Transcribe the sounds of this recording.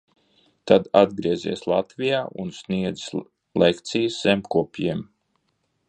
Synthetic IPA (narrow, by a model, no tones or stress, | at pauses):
t̪ad̪ad̪ɡɾiɛzʲḭɛslˠat̪vʲijaːʔunsʲniɛd̪z̥s | lekt̪sijəsːɛmpkuɔpjiɛm